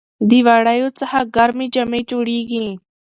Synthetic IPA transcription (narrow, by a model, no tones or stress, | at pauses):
d̪iʋaːɽaːjoːt͡səhaːɡəɾmĩːd͡ʒəmẽːt͡ʃoːɽiːɡĩː